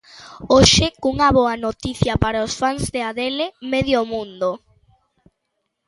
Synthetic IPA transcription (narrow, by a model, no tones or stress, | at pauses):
oʃɪkuŋaβoɐnot̪iθjɐpaɾaosfaŋzðeaðelemeðjomũnd̪o